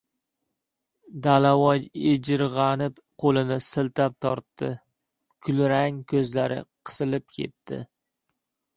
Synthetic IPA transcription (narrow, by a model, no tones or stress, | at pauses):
d̪alawɒjed͡ʒɪɾʁɑnɪp | qʰolɪnɪsɪlt̪ʰap̚t̪ʰɒɾt̪ːɪ | kʲʰʊlɾaŋkʲʰɵzlaɾɪ̰qʰɨ̥sɪlɪp̚kʲʰe̞̰t̪ːɪ̰